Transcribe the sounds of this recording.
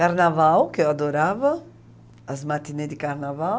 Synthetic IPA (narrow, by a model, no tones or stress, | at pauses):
kaɾnavawkead̪oɾavɐː | zmat̪ined̪ikaɾnava